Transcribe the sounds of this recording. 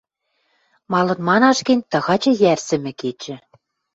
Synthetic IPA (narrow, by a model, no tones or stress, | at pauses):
mɑlɤ̆nmɑnɑʃkĕnʲt̪ɤ̆ɣɑt͡ɕɤ̆jærsɘ̆mɘ̆ket͡ɕɘ̆